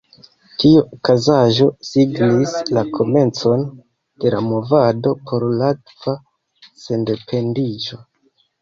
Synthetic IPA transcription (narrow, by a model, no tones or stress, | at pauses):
tiukazaʒo̞siɡnislakʰo̞me̞nt͡so̞n | d̥e̞lamo̞vado̞pʰo̞ɾlatv̥a | se̞nde̞pʰe̞ndid͡ʒo̞